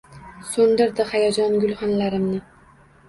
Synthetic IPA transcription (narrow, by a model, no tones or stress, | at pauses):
sʊnd̪ɪɾd̪ɪhajɒd͡ʒɒnɡʲʊlˠχɒnlaɾɪmnɪ